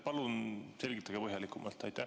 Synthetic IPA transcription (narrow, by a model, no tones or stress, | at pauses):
pɑlunse̞lʲɡ̥it̪ːˑɑɡ̥epɤɦjɑlikːˑumʔɑ̰lt̪ːˑɑjt̪ːˑæ